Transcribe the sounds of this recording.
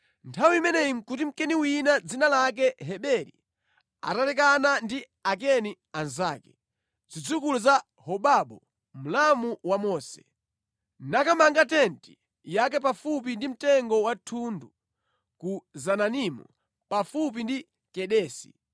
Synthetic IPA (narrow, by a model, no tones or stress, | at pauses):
ntʰawiimɛnɛim̩kut̬im̩kɛniwinad͡zinalak̬ɛɦɛɓɛɾḭ | a̰talɛkanandi | ak̬ɛni | anzaːkɛ | d͡zid͡zukuluza | hɔɓaɓɔ | m̩lamuwamɔːsɛ̰ | nakamaŋɡatɛnti̥ | jak̬ɛpafup̬indim̩tɛŋɡɔwatʰundu | kuzananimṵ | pafup̬indi | kɛɗɛːsi̥̰